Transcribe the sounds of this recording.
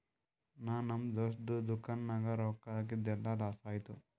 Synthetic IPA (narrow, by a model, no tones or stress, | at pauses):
naːnɐmd̪oːʂd̪ud̪ukɐnnɐɡɐɾɔːkaɡid̪ɛlːɐd̪aːsaːjt̪u